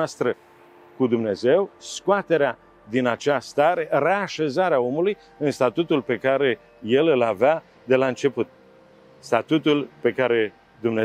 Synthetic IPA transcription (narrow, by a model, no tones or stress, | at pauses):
ast̪ɾə | kud̪umne̞ze̞wskoat̪e̞ɾea | d̪inat͡ʃast̪aɾe̞re̞aʃe̞zaɾeao̞muluj | ɨnst̪at̪ut̪ulpe̞kaɾe̞ | je̞lɨlavea | d̪e̞laɨnt͡ʃe̞put̪̚ | st̪at̪ut̪ulpe̞kaɾe̞ | d̪umne